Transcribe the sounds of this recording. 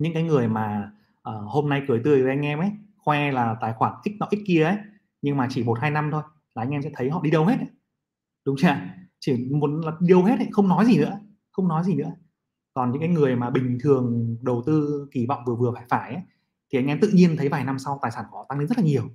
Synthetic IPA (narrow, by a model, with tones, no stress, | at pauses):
ɲɨ̰˧˥ŋkaː˨˦jŋɨ˨˩əjmaː˨˩ | ʔəː˨˩ho˧mna˧jkɨ˧˩jt̪ɨ˧˩əjve˨˩ʔa˧ŋ̟ʔɛ˧mʔə˨˦jxwɛ˧laː˨˩t̪aː˨˩jxwaː˧˩ŋʔi˦˥k̟̚nɔ̰˧˩ʔi˦˥ki˧əʔə˨˦j | ɲɨ˧ŋmaː˨˩t͡ɕi˧˩mo˨˩t̚haː˧jna˧mt̪ʰo˧j | laː˨ʔa˧jŋʔɛ˧msɛ̰˧˥t̪ʰə˨˦jhɔ̰˧˨ɗi˧ɗə˧whe˦˥t̚ə˨˦ | ɗʊ˨˦ŋ͡mt͡ɕaː˧˨t͡ɕi˧˩mu˨˦ənlaː˨˩ɗi˧ɗə˧wɦe˦˥t̚hə˧˩jxə˧wŋ͡mnɔ˨˦jzi˨˩nɨ̰˧˥ə | xə˧wŋ͡mnɔ˨˦jzi˨˩nɨ̰˧˥ə | kɔ˨˩nɲɨ̰˧˥ŋkːaː˨˦jŋɨ˨˩əjmaː˨˩ɓï˨˩ŋ̟t̪ʰɨ˨˩əŋɗə˨˩wt̪ɨ˧ki˧˩vɔ̰˧˨wŋ͡mvɨ˨˩vɨ˨˩əfaː˧˩jfaː˧˩jʔə˨˦j | t̪ʰi˨˩ʔa˧ŋ̟ʔɛ˧mt̪ɨ̰˧˨ɲi˧ənt̪ʰə˨˦jvaː˨˩jna˧msa˧wt̪aː˨˩jsaː˧˩nkɔ˨˦t̪a˧ŋe˨˦nzə˦˥t̚laː˨˩ɲi˨˩əw